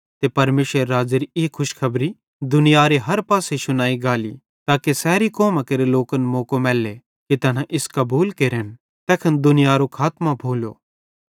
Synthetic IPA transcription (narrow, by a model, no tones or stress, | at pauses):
t̪epɐɾmeːʃʋəɾːaːd͡ʒeɾiɪkʰʊʃkʰɐbɾi | d̪ʊnɪjaːɾeɦɐɾpaːseʃʊnaːiɡaːlḭ | t̪aːkesɛːɾikɔːmãkeɾeloːkənmoːkomɛːlːe | kit̪ɐnãʔɪskɐbuːlkeɾen | t̪ɛːkʰənd̪ʊnɪjaːɾokʰaːt̪mãbʱoːlo̰ː